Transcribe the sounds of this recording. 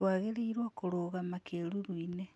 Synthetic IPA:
waɣeɾeiɾwakoɾoːɣamakʰeːɾuɾwine

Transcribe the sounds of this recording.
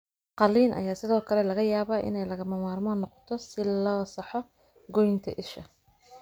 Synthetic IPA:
qɑliːnʔɐ̰jaːsɪðɔːkʰɐlɛlɐɣɐjaːβaːʔɪ̰nɛjlɐɣɐmɐmaːrmɔnɔqɔ̥t̪ʰɔsɪlɔːsɐħɔ | ɡɔjɪnt̪ʰɐ̰ʔɪʃɐ

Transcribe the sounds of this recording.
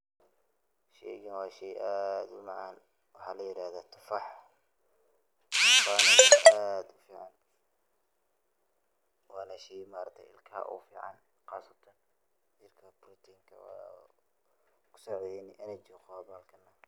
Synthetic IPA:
ʃɛ̰ɡɐnwɑːʃɛjʔaːd̪ʊmɑʕaːn | wɑħalɐjɪɾaːhðɐt̪ʰʊ̥fɑħ | wɑːnɐʔad̪ʊfiːʕɑn | wɑːnaʃɛjmaːɾt̪ʰɛʔɪ̰lkʰa̰ːʔʊ̰fḭːʕɑ̰n | xɑːsɐt̪ʰɐn | t͡ʃɪrkʰɐbɾʊt̪ʰiːŋkʰɐ̰w̰ | kʰʊ̥sɔʕd̪ɛnɪʔɛnɐt͡ʃqɔbaːlkʰɐnɐ

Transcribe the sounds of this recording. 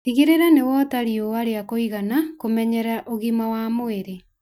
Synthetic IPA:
iɣeɾeɾanewɔtaɾioaɾeakoiɣanakomɛɲɛɾaʔoɣimawamoeɾe

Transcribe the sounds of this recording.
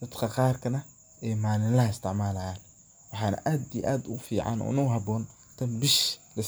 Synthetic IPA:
d̪ɐt̪kʰɐqɑːrkʰɐnɐ | ʔɛjmaːlɪnlɐɦɐɪst̪ʰɪʕmaːlɐjaːn | wɑħɑːnɐ̰ʔaːd̪ḭʔaːd̪ʊɣʊfiːʕɑ̰nɔ̰nʊːɦɑbɔːn | t̪ʰɐnbɪʃlɐs

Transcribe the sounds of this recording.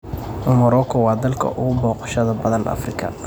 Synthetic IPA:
mɔɾɔkʰɔwɑːd̪ɐlkʰɐ̰ʔʊɣʊbɔːqɑ̥ʃɐðɐbɐðɐnʔɐ̰frɪkʰɐ̰

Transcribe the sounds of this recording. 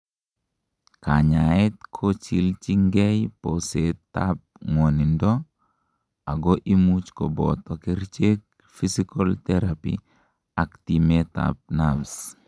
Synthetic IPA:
kaɲaɛt̪kʰot͡ʃḭlt͡ʃiŋɡɛjposet̪ːap̚ŋonindɔ | aɡɔʔimut͡ʃkobɔ̰tɔkiɾt͡ʃek̚ | fisikoltɛɾapḭ | aktimeta̰p̚nabs

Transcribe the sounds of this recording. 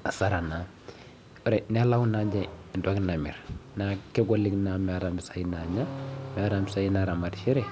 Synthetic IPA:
asaɾana | ɾenelawunad͡ʒaindoɡnamḭɾnakɛɡoliɡnamaɾambisajinaɲameɾambisajinaɾamadʃiɾe

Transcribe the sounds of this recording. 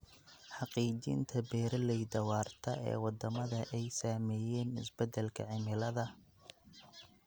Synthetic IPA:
ħɑqiːt͡ʃɪ̰nt̪ʰɐbɛːɾɐlɛjd̪ɐwɑːrt̪ʰɐʔɛ̰ːwɑd̪ɐmɐðɐʔɛjsaːmɛːjɛːnɪ̰sbɛd̪ɛlkʰɐ̰ʕɪmɪlɐðɐ

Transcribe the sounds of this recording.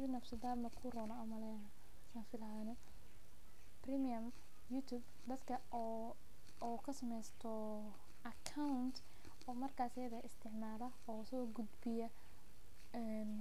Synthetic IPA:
ɾɪnɐfsɪd̪aːbmɐkʰurɔːnɐɐmɐlɛnɐ | sanfɪlaːnɔ | primɪjɐm | jut̪ʰub | d̪ɐd̪kʰɐ | ɔkʰɐsɐmɛjst̪ʰɔ | ʔɐkʰawʊnt̪ʰ | ɔːmɐrkʰaːsɐjɐðɐʔɪst̪ʰɪʕmaːlɐ | ɔːsɔːɡʊd̪bɪjɐ | ɛ | n

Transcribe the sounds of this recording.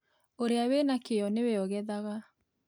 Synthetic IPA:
oɾeawenakejɔneweɔɣɛðaɣa

